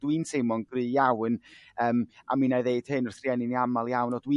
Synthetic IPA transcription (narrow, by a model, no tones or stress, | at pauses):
d̥wiːnsʰemɔnɡrɨːjawnəːma̰minajðeɨd̥hɨnʊrθrjɛnɪniamalˠjawnɔdwi